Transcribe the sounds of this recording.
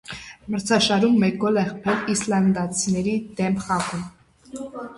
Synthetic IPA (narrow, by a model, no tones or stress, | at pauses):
məɾt͡sʰɑʃɑɾumːɛɡɔlɛχpʰɛlislɑnd̪ɑt͡sʰinɛɾid̪ɛmpʰχɑʁum